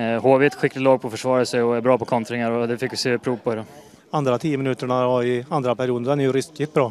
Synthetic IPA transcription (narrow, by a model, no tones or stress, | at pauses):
hoːvet̪ɧɪkːlɪt̪lɑːɡ̚pʰɔfœʂvɑːɾəsɛɔæbɾɑːpɔkʰɔnt̪ɾɪŋaɾɔd̪ɛfɪkːvɪseːpʰɾuːvpʰɔhd̪ɔ | and̪ɾat̪ʰiːəmɪnʉːt̪əɳaɔɪand̪ɾapʰæɾɪjuːd̪əd̪ɛnɛɾjʉɾɪskɪt̪bɾɑː